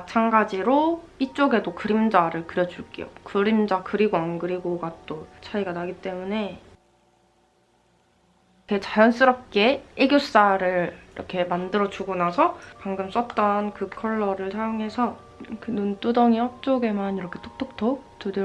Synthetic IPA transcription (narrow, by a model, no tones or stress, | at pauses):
mat͡ɕʰanɡad͡ʑiɾo | it͡ɕ͈oɡe̞dokɯɾimd͡ʑaɾɯɭkɯɾjʌd͡ʑuɭk͈ejo̰kɯɾimd͡ʑakɯɾiɡwankɯɾiɡoɡat͈ot͡ɕʰaiɡanaɡit͈e̞mune̞ | kʰet͡ɕajʌns͈ɯɾʌp̚k͈e̞eɡjos͈aɾɯɭiɾʌ̰kʰe̞mandɯɾʌd͡ʑuɡonasʰʌpaŋɡɯms͈ʌt̚t͈ʌnkɯkʰʌɭːʌɾɯɭsʰajoŋɦe̞sʰʌ | kɯnunt͈udʌŋiʌt͡ɕ͈oɡe̞maniɾʌkʰe̞t͈ʰok̚t͈ʰok̚tʰot͈ude